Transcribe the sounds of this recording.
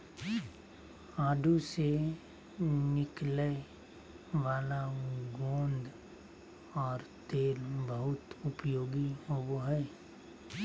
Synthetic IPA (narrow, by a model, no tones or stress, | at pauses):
aːɖʱuse | nɪkle | ʋaːlaɡõːnd̪ʱ | ɔːɾt̪eːlbəɦʊt̪ʊpjoːɡiɦowoɦɛː